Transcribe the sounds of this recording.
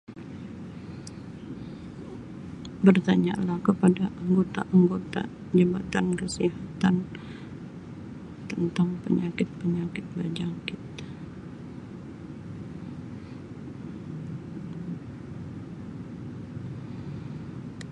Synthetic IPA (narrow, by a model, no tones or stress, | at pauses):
bərt̪aɲalahkəpadaʔaŋɡot̪a̰ʔaŋɡot̪a̰ | d͡ʒəbat̪ankəsiɦat̪an | t̪ːənt̪aŋpə̰ɲakɪt̪̚pəɲakɪt̪̚bad͡ʒakit̪